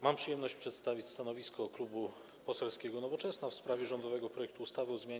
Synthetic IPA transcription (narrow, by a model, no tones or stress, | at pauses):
mampʂɨjɛmnɔɕt͡ɕpʂɛt̪st̪avʲit͡ɕst̪anɔvʲiskɔklubu | pɔsɛlskʲɛɡɔnɔvɔt͡ʂɛsnafspɾavʲjɛʐɔnd̪ɔvɛɡɔpɾɔjɛk̚t̪uːst̪avɘɔzmʲja